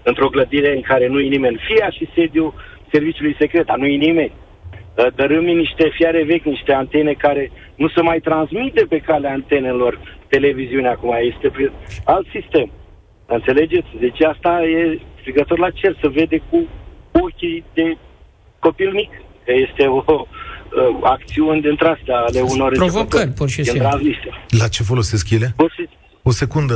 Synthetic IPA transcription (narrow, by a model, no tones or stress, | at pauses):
ɨnt̪ɾo̞ɡləd̪iɾeɨŋkaɾe̞nujenime̞nʲfiaʃised̪ju | se̞rvit͡ʃulujse̞kɾet̪̚d̪anujenime̞nʲ | d̪əɾɨminiʃt̪e̞fjaɾe̞ve̞kʲniʃt̪e̞ant̪e̞ne̞kaɾe̞ | nusəmajt̪ɾansmit̪epe̞kaleaːnt̪e̞ne̞lo̞rt̪e̞le̞viziuneakumaje̞st̪epialt̪sist̪e̞m | ɨnt̪se̞le̞d͡ʒe̞t̪sʲd̪e̞t͡ʃast̪ajest̪ɾiɡət̪o̞rlat͡ʃe̞lsəve̞d̪e̞kuokʲid̪e̞ | ko̞pilmikkəje̞st̪e̞o | ak̚t̪siunʲed̪ɨnt̪ɾeast̪eaːle̞uno̞repɾovokərʲpunʃisinit̪ɾanzmiselat͡ʃe̞fo̞loseskjelefosesk | ose̞kund̪ə